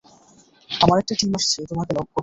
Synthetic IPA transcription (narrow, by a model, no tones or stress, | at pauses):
amaɾɛk̚ʈaʈimaʃt͡ɕʰeot̪omakelɔɡ̚ːo